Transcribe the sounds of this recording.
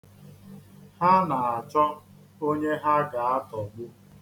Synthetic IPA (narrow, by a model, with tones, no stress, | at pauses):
ha˦na˨a˨t͡ʃɔ˦ | o˦ɲe˦ɦa˦ɡa˨a˦tɔ˨ɡ͡bʊ˦